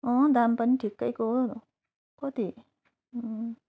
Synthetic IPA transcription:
ɔ̃d̪ampʌniʈʰikːʌjkonu | kʌt̪i

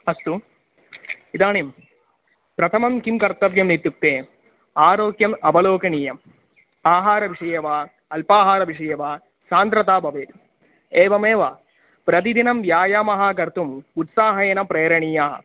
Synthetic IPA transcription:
ɐst̪u | id̪aːnim | pɾɐt̪ʰɐmɐmkimkɐɾt̪ɐʋjɐmnit̪juk̚t̪eː | aːɾoːkjɐmɐbɐloːkɐɳiːjɐm | aːɦaːɾɐʋiʂɐjɐʋaː | ɐlpaːɦaːɾɐʋiʂɐjɐʋaː | saːnt̪ɾɐt̪aːbʱɐʋeːt̪ | eːʋɐmeːʋɐ | pɾɐt̪̬id̪inɐmʋjaːjaːmɐɦaːkɐɾt̪umut̪saːɦɐjɐnɐpɾeːɾɐɳijaːɦɐ̰

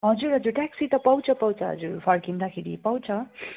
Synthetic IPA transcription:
ɦʌd͡zuɾɦʌd͡zurʈaksit̪ʌpʌwt͡sʰʌpʌwt͡sʰʌɦʌ̰d͡zuɾpʰʌrkind̪akʰeɾḭpʌw̃t͡sʰʌ

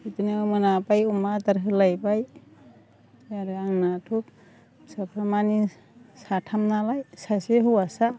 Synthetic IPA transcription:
itunemɯnapajumataɾɦɯlajbaj | jaɾɯaŋnatʰuk̚ | sapʰɾamani | satʰamnalajsaseɦuwasa

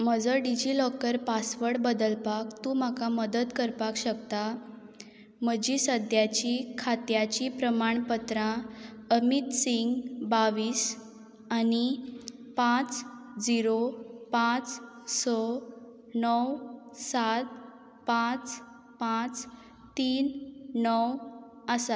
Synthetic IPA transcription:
m̤əd͡zəɖid͡ʑilɔkəɾpasʋəɽbəd̪əlpakt̪ũm̤akaməd̪ət̪kəɾpakɕəkt̪a | m̤əd͡ʑiːsəd̪jat͡ɕikʰat̪jat͡ɕipɾəmaɳpət̪ɾãəmit̪siŋɡbaʋiːs | ani | pãt͡s | d͡ziɾopãt͡s | sɔ | nəwsat̪ | pãt͡s | pãt͡s | t̪iːnnəw | əsa

